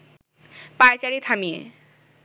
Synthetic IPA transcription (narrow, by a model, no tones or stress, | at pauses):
pajt͡ɕaɾit̪ʰamijḛ